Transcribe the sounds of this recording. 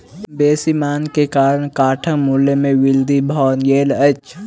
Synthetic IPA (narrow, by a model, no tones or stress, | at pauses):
beːsimaːnkekaːɾəɳkaːʈʰəmulːemẽʋɪld̪ʱibʱɔːnjeːlət͡ʃ